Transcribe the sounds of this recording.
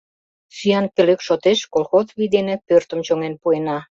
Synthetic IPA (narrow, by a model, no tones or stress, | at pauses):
syjɑnpeløkʃot̪eʃkolxozβid̪enepørt̪ə̆mt͡ɕoŋenpuenɑ